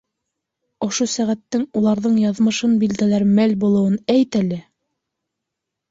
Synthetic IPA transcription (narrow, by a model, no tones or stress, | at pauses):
ŏʃosæʁæt̪ːɘŋulˠɑɾðɤɴjɑðmɤ̆ʃɤnbild̪ælæɾmælbulˠɤ̆wɤnæjt̪ælɘ